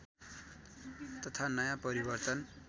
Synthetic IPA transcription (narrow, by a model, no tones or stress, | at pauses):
t̪ʌt̪ʰanʌjãpʌɾibʌrt̪ʌn